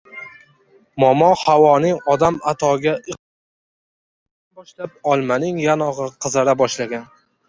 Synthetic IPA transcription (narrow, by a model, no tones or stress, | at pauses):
mɒmɒhawɒnɪŋɒd̪amat̪ʰɒɡʲaʔɨ | bɒʃlap̚ɒlˠmanɪŋjanɒʁɨqʰɨzaɾabɒʃlaɡʲan